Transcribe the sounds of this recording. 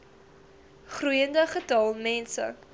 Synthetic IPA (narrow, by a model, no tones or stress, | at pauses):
χrujəndəχətɐlˠmɛnsə̰